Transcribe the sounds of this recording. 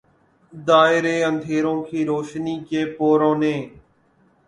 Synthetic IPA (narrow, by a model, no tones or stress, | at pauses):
d̪aːɪɾeːə̃nd̪ʱeːɾõːkʰeːɾoːʃniːkeːpoːɾõːnẽː